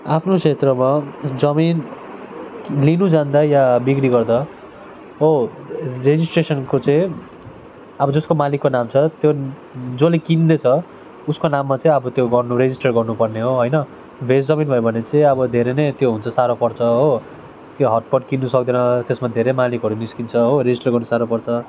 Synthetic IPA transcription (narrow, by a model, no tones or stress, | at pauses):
apʰnot͡sʰet̪rʌmad͡zʌmin | linud͡zãnd̪ajabikɽiɡʌrd̪a | o | red͡zisʈresʌnkot͡sʌĩ | ʌbʌd͡zʌskomalikːonamt͡sʰʌt̪jo | d͡zolekind̪et͡sʰʌ | uskonamːat͡sʌĩʌbʌt̪joɡʌrnuɾed͡zisʈʌrɡʌrnupʌrneɦoɦojnʌ | bʱesd͡zʌminbʌjbʱʌnet͡sʌĩʌbʌd̪ʱeɾenet̪joɦunt͡sʰʌsaɾopʌrt͡sʰʌɦo | keɦʌʈ̚pʌʈkinːusʌk̚d̪enʌt̪esmad̪ʱeɾemalikɦʌɾuniskint͡sʰʌɦoɾed͡zisʈʌrɡʌrnusaɾopʌrt͡sʰʌ